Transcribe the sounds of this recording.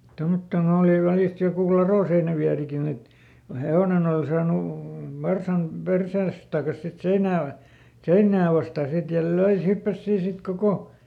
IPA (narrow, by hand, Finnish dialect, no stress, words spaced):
tomːotːon oːli ʋælist jokuˑ lɑroˑseinæʋiærikin et ko heoˑnen ol sɑːnu ʋɑrsɑm perseːs tɑˑkɑs sit seinæː ʋɑ seinːæː ʋɑstɑˑ sit jɑ løi se hypːæs siː sit koko